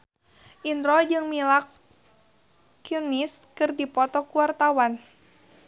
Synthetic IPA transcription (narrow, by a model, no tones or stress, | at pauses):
ʔind̪ɾɔd͡ʒɨŋmilak | juniskɨrdipɔt̪ɔkuwart̪awan